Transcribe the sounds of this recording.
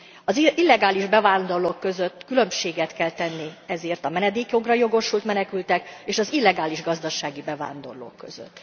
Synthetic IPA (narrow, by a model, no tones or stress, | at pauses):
ɒzilːɛɡaːliʒbɛvaːnd̪o̞rloːkːø̞zø̞t̪ːkylø̞mʃeːɡɛt̪kɛlt̪ɛnːiɛzeːrt̪ɒmɛnɛd̪eːkjo̞ɡrɒjo̞ɡo̞ʃult̪mɛnɛkylt̪ɛkeːʃɒzilːɛɡaːliʒɡɒzd̪ɒʃaːɡibɛva̰ːnd̪o̞̰rlo̰ːkːø̞̰zø̰t̪ː